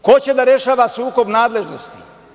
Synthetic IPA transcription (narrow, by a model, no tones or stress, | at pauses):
kot͡ɕed̪aɾe̞ʃaːʋasuːko̞bnaːd̪le̞ʒnost̪i̥